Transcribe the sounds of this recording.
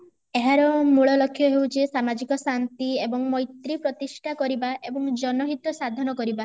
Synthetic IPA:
eɦaɾɔmuɭɔlɔkʰːjɔɦewt͡ʃesamad͡ʒikɔsant̪iebɔŋmɔjt̪ɾipɾɔt̪isʈʰakɔɾibaʔebɔŋd͡ʒɔnɔɦit̪ɔsad̪ʱɔnɔkɔɾiba

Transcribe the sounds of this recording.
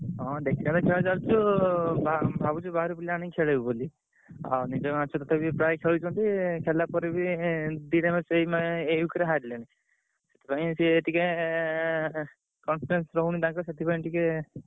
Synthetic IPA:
ɦɔ̃d̪ekʰiãt̪ɔkʰeɭad͡ʒalt͡ʃʰubabʱabut͡ʃʰubaɾupiliaɽ̃ĩkʰeɭebiboli | a̰nid͡ʒɔmat͡ʃʰɔt̪ɔt̪ʰabipɾajkʰeɭut͡ʃʰɔ̃nt̪ikʰelapɔɾibid̪iɾemesejmaejukɾeɦaɾleñĩ | set̪ʰi̥paj̃siːʈike | kɔnpʰiɾensɾɔɦuɽ̃it̪ãkɔset̪ʰipaĩʈike

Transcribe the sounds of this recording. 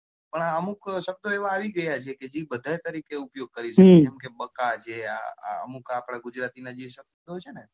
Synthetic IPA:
pəɳaəmukʃəb̚d̪oeʋaaʋiɡəjat͡ʃʰeked͡ʒibəd̪ʱaet̪əɾikeupjoɡ̚kəɾiʃəked͡ʒɛmkebəkat͡ʃʰea̰a̰ə̰mukapɽ̃aɡud͡ʒɾat̪inad͡ʒiʃək̪̚t̪ɦot͡ʃʰene

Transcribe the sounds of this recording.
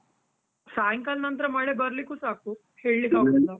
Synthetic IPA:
saːjŋkalnɐnt̪ɾɐmɐɭebɐɾlikːuːsaːku | heːɭːiɡaːɡɐlːa

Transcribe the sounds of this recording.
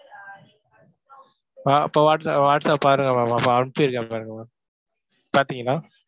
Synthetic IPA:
aɐ̰pːoʋaːʈsaʋaːʈsaːppaːɾɯŋɡɐmamapːaɐɳpɯɪɾɯkːãpaːɾɯŋɡɐmaː | paːɾt̪iːŋɡɐlːaː

